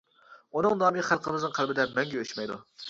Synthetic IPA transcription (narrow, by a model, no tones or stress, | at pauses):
unɨŋnɑːmiχælˠqʰəmɨznɨŋqʰælbɪd̪ɛmɛŋɡʲɛʃmɛjd̪ṵ